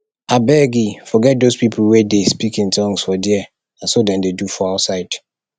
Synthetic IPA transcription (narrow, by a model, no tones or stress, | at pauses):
abɛɡifɔɡɛt̚dospipʰl̩wɛdespikɪ̃ŋtʰɔ̃ŋsfɔdɛɛ | ãnsodɛ̃ndedufɔaʊsaɪd